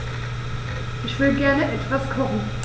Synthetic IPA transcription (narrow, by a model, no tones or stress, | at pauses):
ʔɪçv̥ɪləɡɛɐnəʔɛtv̥askʰɔχn̩